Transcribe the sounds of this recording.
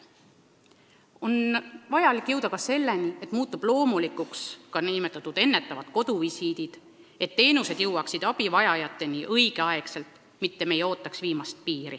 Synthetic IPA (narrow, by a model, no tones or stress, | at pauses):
o̞nvɑjɑlikˑːjɤwd̪̥ɑkɑse̞lːe̞niet̪ːˑmuːt̪ːˑub̥lo̞ːmulikˑukskɑnimet̪ːˑɑt̪ːˑud̪̥e̞nːe̞t̪ːˑɑvɑd̪̥ko̞d̪̥uvisiːd̪id̪̥ | e̞t̪ːe̞ːnuse̞d̪̥jɤwːɑksid̪̥ɑb̥ivɑjɑjɑt̪ːˑe̞niʔɤiɡ̥e̞ɑe̞kse̞lt̪ˑ | mit̪ːe̞me̞jo̞ːt̪ˑːɑksviːmɑst̪̚piːɾi